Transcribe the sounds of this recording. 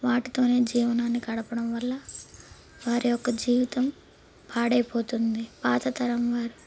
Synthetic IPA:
ʋaːʈit̪o̞ːne̞ːd͡ʒiːʋɐnaːnːikɐɽɐpɐɽɐmʋɐlːɐ | ʋaːɾijɔkːɐd͡ʒiːʋit̪ɐm | paːɽɐjpo̞ːt̪und̪ipaːt̪ɐt̪ɐɾɐmʋaːɾu

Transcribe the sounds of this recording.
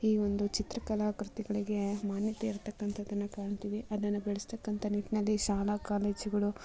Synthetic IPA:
iːʋo̞nd̪ut͡ʃit̪ɾɐkɐlaːkɾut̪iɡɐɭiɡe̞maːnjɐt̪eiɾt̪ɐkːɐnt̪ʰɐd̪ɐnːɐkaːɳt̪id̪iʔɐd̪ɐnːɐbeɭɛst̪ɐkːɐnt̪ʰɐniːt̪inɐlːiʃaːlakaːleːd͡ʒuɡɐɭu

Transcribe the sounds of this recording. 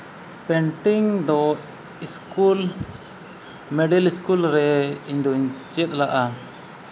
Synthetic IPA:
pɛɳʈiŋd̪ɔ | iskul | mɛɖɛliskulɾɛiɲd̪ɔiɲt͡ʃɛt̪̚ˀlaʔa

